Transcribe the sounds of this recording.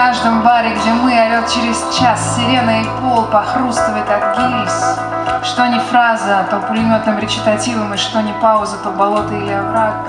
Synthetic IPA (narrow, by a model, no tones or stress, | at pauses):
aʐd̪əmbaɾʲɪɡdʲemɨɐɾʲot̪̚t͡ɕɪɾʲɪzt͡ɕasːʲɪlʲe̞nːəɪpo̞lˠpɐxɾust̪əvəjɪt̪akɡʲilʲs | ʂt̪o̞nʲɪfɾazəɐt̪opʊlʲɪnʲot̪nɨmɾʲɪt͡ɕɪ̥t̪ɐtʲivəmɨʂt̪o̞nʲɪpaʊzət̪obɐlˠo̞t̪ɨilʲɪɐvɾak